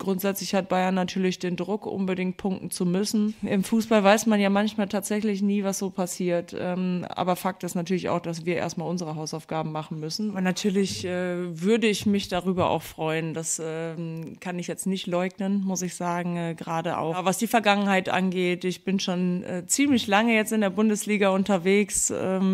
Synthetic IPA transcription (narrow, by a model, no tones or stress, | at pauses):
ɡ̥ʁʊntz̥ɛt͡slɪçhat̚b̥aɪɐnːatʰyːɐlɪçd̥eːndʁʊkʔʊ̰nbədɪŋt̚pʰʊŋk̚tn̩t͡sumʏsn̩ʔɪmfuːsb̥alvaɪsmanjaːmançmaːltʰaːtz̥ɛçlɪçniːvasz̥oːpʰasiːɐtʔɛ̰ːmʔa̰ːbɐfak̚tɪstnatʰyːɐlɪça̰ʊxd̥as̬v̥iːɐʔḛːɐstmaːlʔʊnzəʁəɦaʊsaʊfɡ̥aːbm̩maχn̩mʏsn̩ɐnatʰyːɐlɪçʔɛːvʏɐdəɪçmɪçd̥aʁyːbɐʔa̰ʊxfʁ̥ɔʏənd̥asɛːkʰanɪçjɛt͡stnɪçtlɔʏɡnənmʊsɪçz̥aːɡŋ̩ɛːɡəʁaːdəʔa̰ʊvasd̥iːfɛɐɡaŋənhaɪtʔa̰nɡeːtɪçb̥ɪnʃoːnːt͡siːmlɪçlaŋəjɛt͡stɪndeːɐbʊndəsliːɡaʊntɐveːksɛ̰ː